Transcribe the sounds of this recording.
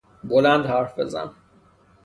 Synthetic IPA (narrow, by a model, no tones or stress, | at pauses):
bolænd̪hæɾfbe̞̰zæ̰n